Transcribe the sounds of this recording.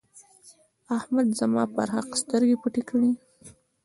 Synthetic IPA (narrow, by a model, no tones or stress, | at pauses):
ahmad̪zamɑ̰pa̰ɾhaqst̪əɾɡepəʈekəɽi